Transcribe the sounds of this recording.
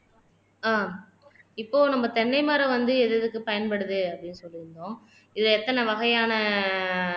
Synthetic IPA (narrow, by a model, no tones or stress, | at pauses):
aː | ɪpːoːnɐmːbɐt̪ɛɳːɐɪmaːɾɐʋɐnd̪ɯɛðɛðɯkːɯpɐjɐnpɐɽɯðɯɐpːɐɽɪnːɯsɔlːɪɾɯnɖõː | ɪðɯɛt̪ːɐnɐʋɐɣɐjaːnɐ